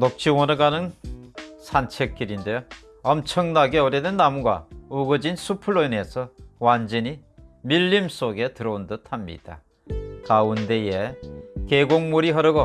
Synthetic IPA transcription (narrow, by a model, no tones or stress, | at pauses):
nok̚t͡ɕ͈ʰiwʌnɯɡanɯn | sʰant͡ɕʰek͈ːiɾindejo | ʌmt͡ɕʰʌŋnaɡe̞ʌɾjedɯnːamuɡwa̰uɡɯd͡ʑinsʰupʰuɭːoine̞sʰʌwand͡ʑʌɲimiʎːims͈oɡe̞tɯɾʌundɯtʰamɲḭd̥a̰ | kaunde̞jekeɡoŋmuɾiɦʌɾɯɡo